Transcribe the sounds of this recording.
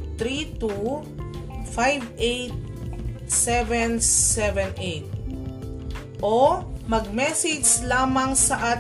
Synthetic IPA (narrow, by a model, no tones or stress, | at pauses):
t̪ɾit̪u | fajvejt̪̚ | sɛvɛnɛvɛnʔejt̪̚ | ʔomɐɡ̚mɛsɪd͡ʒslaːmɐŋsɐʔa